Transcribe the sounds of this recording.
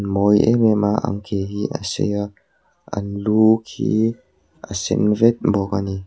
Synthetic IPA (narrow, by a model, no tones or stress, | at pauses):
nmɔjḛmɛmaʔa̰ŋkʰeɦiʔəsḛja | anluːkʰḭ | əsɛ̰nvɛt̪̚bɔkani